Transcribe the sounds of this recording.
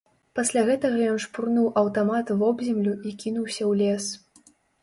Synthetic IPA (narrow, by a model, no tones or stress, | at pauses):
pasʲlʲaɣɛt̪ɐɣɐjɔnʂpurnuwʔɐwt̪amat̪vɔbzʲɛmlʲuikʲinuwsʲɐwlʲɛs